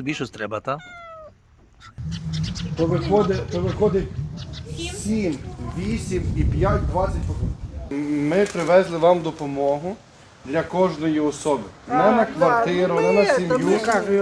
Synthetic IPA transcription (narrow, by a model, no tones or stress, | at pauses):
bʲiʃɔsʲt̪ɾɛbɐt̪a | tɔʋɪxɔd̪ep̪ɔʋɪxɔd̪ɪtʲ | sʲimʋʲisʲimipjatʲd̪ʋɑt͡sʲɐtʲpɔkɔ | mɪpɾɪʋɛzlˠɪʋɑmd̪ɔpɔmɔɦʊ | d̪lʲɐkɔʒnɔjiɔsɔbɪnɛnɐkʋɐrt̪ɪɾʊnɛnɐsʲimju